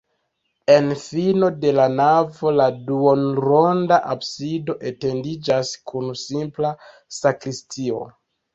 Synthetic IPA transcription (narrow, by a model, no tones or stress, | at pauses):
e̞nfino̞de̞lanavo̞laduonɾo̞ndaʔabsido̞ʔe̞te̞ndid͡ʒaskunsimpla | sakɾistʰio̞̰